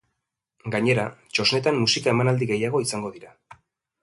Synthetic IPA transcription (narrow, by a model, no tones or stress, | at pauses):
ɡaɲe̞ɾat͡ʃo̞sne̞t̪ammːusikae̞manald̪iɣe̞jaɣ̞o̞isaŋɡo̞ðiɾa